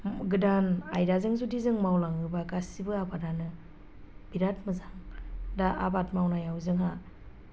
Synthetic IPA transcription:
ɡɯdanajɾazɯŋzudizɯŋmawlaŋɯbaɡasibɯabadanɯ | b̥iɾat̚mɯzaŋdaa̰bat̚mawnajawzɯŋɦa

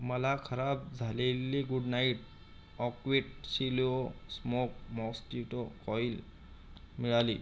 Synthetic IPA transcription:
malakʰaɾab̚zʱalilːiɡuɖnajʈ̚ | ɔkwiʈ̚silosmok̚mɔstiʈɔkɔjl | miɹali

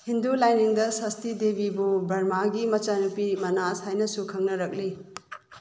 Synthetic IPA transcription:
hindulajniŋdɐsɐstidebibubɐɾmaɡimɐt͡ʃanupimɐnashajnɐsukʰɐŋnɐɾɐk̚li

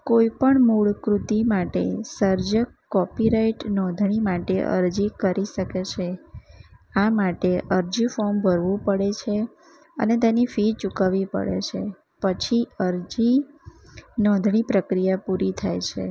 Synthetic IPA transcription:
koipəɳmuɭkɾut̪imaʈḛsəɾd͡ʒəkːɔpiɾaiʈnɔ̃d̪ʱɳ̃imaʈeʔə̰ɾd͡ʒikəɾiʃəket͡ʃʰe | amaʈeʔəɾd͡ʒifɔɾmbʱəɾʋũpəɽet͡ʃʰe | ə̰net̪enifit͡ʃukaʋipə̰ɭḛt͡ʃʰe | pət͡ʃʰiəɾd͡ʒi | nɔ̃d̪ʱɳ̃ipɾəkɾijapuɾit̪ʰajt͡ʃʰḛ

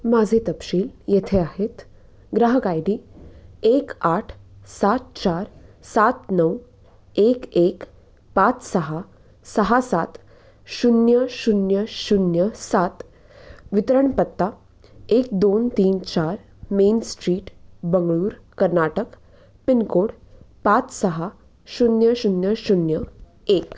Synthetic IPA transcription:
mad͡zʱet̪əpʃiːljet̪ʰeaɦet̪ | ɡɾaɦəkajd̪i | eːkaːʈʰsat̪̚t͡ɕaːɾsat̪nəʋ | eːkeːk | pat͡ssəɦa | sɐɦasaːt̪ | ʃunjəʃunjəʃunjəsaːt̪ | ʋɪt̪əɾəɳpət̪ːa | eːk̚d̪oːnt̪iːnt͡ɕaːɾ | meːnsʈɾiːʈbəŋɡɭuːɾkɐɾnaːʈək | pɪnkoːɽ | pãːt͡ssɐɦa | ʃunjəʃunjəʃunjə | eːk

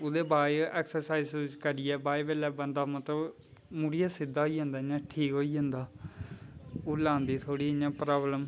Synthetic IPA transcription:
oːd̪eːbaːɛːksəɾsaːiːzt͡ʃkəɾiːɛːbaːjʋeːlɛːbənd̪aːmət̪ləb | muɽijaːsɪd̪aːɦoiːɦə̃nd̪aːɲãːʈʰiːkɦoːiːɦə̃nd̪aː | oːlãːnd̪iːt̪ʰoːɽiːɪɲãːpɾaːbləm

